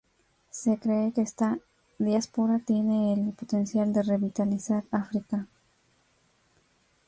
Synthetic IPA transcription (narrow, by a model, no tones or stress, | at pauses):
se̞kɾe̞ːkeest̪a | ðjaspoɾat̪je̞ne̞ːlpot̪e̞nsjald̪e̞re̞βit̪alisaɾafɾika